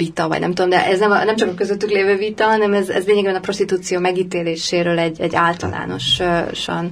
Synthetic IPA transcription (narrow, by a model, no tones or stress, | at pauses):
vit̪ɒvɒ̰ɟnɛmt̪ud̪omd̪ɛ̰ʔɛznɛmɒ̰nɛmt͡ʃɒkɒkøzøt̪ːykleːvøːvit̪ɒɦɒnɛmɛzɛ̰zʋeːɲɛɡeːbɛnɒpro̞ʃt̪it̪uːt̪sijoːmɛɡiːt̪eːleːʃeːɾøːlɛɟːɛɟːaːlt̪ɒ̰la̰ːno̞̰ʃʃɒ̰n